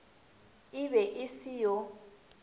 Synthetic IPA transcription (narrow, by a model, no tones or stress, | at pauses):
ɪβɛʔɪsijɔ